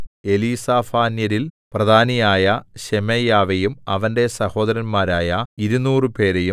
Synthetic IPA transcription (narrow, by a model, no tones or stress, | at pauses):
e̞lisaːfaːnjɐɾilprɐd̪ʱaːnɐjaːjɐɕemejaːʋejumɐ̰ʋɐnde̞sɐho̞ːd̪ɐɾɐnmaːɾaːjɐiɾunuːrɨpe̞ːɾe̞ju